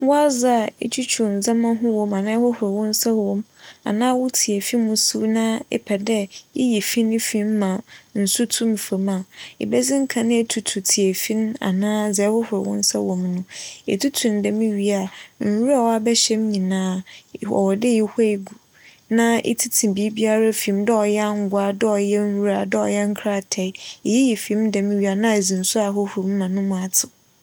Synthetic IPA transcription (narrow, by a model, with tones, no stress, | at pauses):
wɔ˦a˦za˦˨ḛ˦t͡ɕʰi˦t͡ɕʰu˨n̩˨d͡za˦mã˦ɦʊ̃˦wɔ̃˨mã˨nãː˦hɔ˦hʊ˨ɾɛ˨wʊ̃˦n˦sa˦wɔ̃˦ma̰˨nãː˦wʊ˦tʰi˨e˨fi˦mʊ̃˨su˦nã˦ɛ̰˦pʰɛ˨dɛ˦jɛ˦ji˨fi˦nʊ̃˦fĩ˦m̩˦mã˨n̩˨su˦tʰũ˦m˨fa˨ma˨ḛ˨bɛ˦ziɪ̃˦ŋ̩˦kʰã˨nɪ̃˦e˦tʰu˨tʰu˨tʰi˨e˨fĩ˦n˦a̰˨nãː˦d͡zɛ˨˦hɔ˦hʊ˨ɾɛ˨wʊ̰̃˦n˦sa˦wɔ̃˨mnʊ̃˦ḛ˨tʰu˦tʰũ˨n˨dɛ˨mĩ˦ɥi˦a˨n̩˨wu˦ɾa˦˨wa˨bɛ˦ɕɛ˦m˦ɲĩ˨nãː˦ɔ̰˨wɔ˨dɪ˦jɛ˨hʷɛ˦i˨ɡu˨ | nã˦ʔḛ˦tʰi˦tʰĩ˨bi˨˦bi˦a˦ɾa˦fĩ˨˦mdɔ˦ɔ˨jɛ˦a˦ŋ̩˦ɡʊ˨˦a˨dɛ˦ɔ˨jɛ˦n̩˦wu˦ɾa˨dʊ˦ɔ˨jɛ˦ŋ̩˦kʰɾa˦˨tʰɛ˨˦e˨ji˦jɛ˨fĩ˨˦mdɛ˨mĩ˦ɥi˦a˨nã˦e˨zĩ˨n̩˨sʊ˦a˨ɦʊ˦hʊ˨ɾm̩˦mã˨nʊ̃˦mʊ̃˨a˨tʰɪ˨